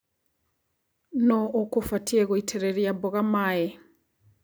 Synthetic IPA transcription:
nɔokofatʰieɣoitʰeɾeɾiabɔɣamae

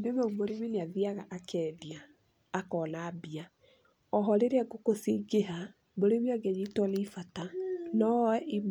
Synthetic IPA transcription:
deβɛumoɾemeneaðiaɣaʔakʰɛðiaː | kɔnabia | ɔɦɔɾeɾeaɡokosiɡeɦa | boɾeβjɔɡɛɲitwɔneifatanɔwɛʔim

